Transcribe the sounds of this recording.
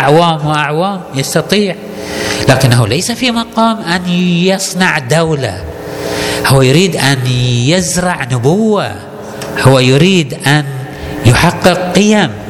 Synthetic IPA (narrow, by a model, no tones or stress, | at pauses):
ʔaʕwaːmwɪʔaʕwaːmjɑst̪ɑt̪ˤiːʕ | laːkɪnːahulajsafimɑqɑːmʔanjɑsˤnɑʕd̪awla̰ | hʊwːajʊɾiːd̪ʔanjɪzɾˤɑʕnʊbʊwːa̰ | hʊwːajʊɾiːd̪ʔan | jʊħɑqːɨq̚qɪjam